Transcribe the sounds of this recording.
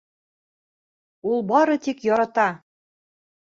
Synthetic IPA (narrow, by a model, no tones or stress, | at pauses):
ulˠbɑɾɤ̆t̪ikjɒɾɑt̪ɑ